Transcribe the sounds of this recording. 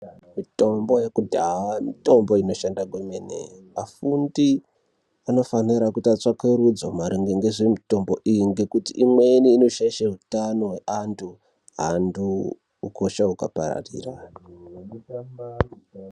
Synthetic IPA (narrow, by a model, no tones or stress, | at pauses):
mito̞mbo̞je̞kudʱawamito̞mbo̞ino̞ʃandaɡʱwemenḛ | afundi | ano̞faniɾakutat͡ʂakeɾud͡zomaɾiŋɡeŋɡeʐemito̞mbo̞ʔijiŋɡe̞kutiʔimwe̞niːno̞ʃaiʃaɦutano̞ɦeantʰu | ɦa̰nduː | ko̞ʃaukapa̰ɾa̰rḭːra